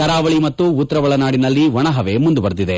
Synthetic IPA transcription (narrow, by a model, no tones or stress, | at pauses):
kɐɾaːʋɐɭimɐt̪ːuːt̪ːɐɾɐʋɐɭɐnaːɽinɐlːiʋɐɳɐɦɐʋe̞mund̪uʋɐɾd̪id̪e